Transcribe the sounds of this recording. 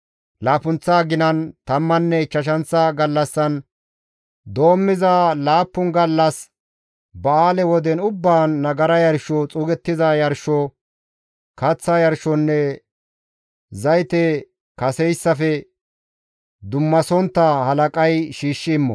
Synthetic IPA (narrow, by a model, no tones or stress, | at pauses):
laːfʊnt͡sːaːɡɪnɐnt̪ɐmːɐnːɛt͡ʃːɐʃ̬ɐnt͡sːɐɡɐlːɐsːɐn | d̪o̞ːmːɪzalaːpːʊnɡɐlːɐs | bɐaːlɛwɔd̪ɛnʊbːaːnːɐɡɐɾɐjɐɾʃɔt͡sʼuːɡɛt̪ːɪzajɐɾʃɔ | kɐt͡sːɐjɐɾʃɔnːɛ | zɐjt̪ɛ | kɐsɛjsːɐfɛ | d̪ʊmːɐsɔnt̪ːɐhɐlɐkʼɐjʃiːʃːɪːmːɔ